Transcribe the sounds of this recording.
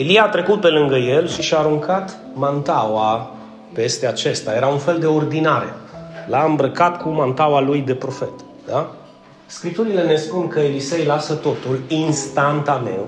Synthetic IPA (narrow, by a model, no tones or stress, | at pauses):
eliaːt̪ɾe̞kut̪̚pe̞lɨŋɡəjelʃiʃaːɾuŋkʰat̪ | mant̪awa | pe̞st̪e̞at͡ʃe̞st̪aje̞ɾaunfe̞ld̪e̞o̞rd̪inaɾḛlaɨmbɾəkat̪kʰumant̪awalujd̪e̞pɾo̞fe̞t̪ | d̪a | skɾip̚t̪uɾile̞ne̞spunkəelise̞jlasət̪o̞t̪ulinst̪ant̪anḛw